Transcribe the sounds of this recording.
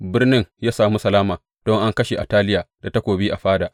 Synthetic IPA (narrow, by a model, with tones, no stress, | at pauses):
bɪ˦rnɪ˦ŋjaː˦saː˨mu˦sɐ˨laː˦maː˨ | d̥ɔ˦ŋʔa˦ŋkɐ˦ʃe˨ʔa˨taː˦lɪ˦jaː˨da˨ta˦kʷoː˨bi˦ʔa˨ɸaː˦da˨ʔ